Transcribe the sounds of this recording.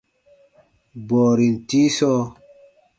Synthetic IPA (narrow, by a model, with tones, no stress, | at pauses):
bɔː˨ɾi˨n˨ti˦sɔː˦